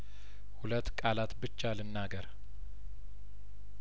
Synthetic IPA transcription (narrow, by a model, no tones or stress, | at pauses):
hulət̪ːkʼalat̪bɨt͡ʃːalɨnːaɡəɾ